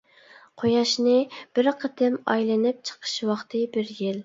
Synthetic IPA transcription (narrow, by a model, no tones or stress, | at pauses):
qʰojɑʃnɨb̥ɪɾqʰəd̪ɪmɑjlɪnɪp̚t͡ʃʰə̥qʰə̥ʃwɑχt̪ʰɨbɪɾjɪl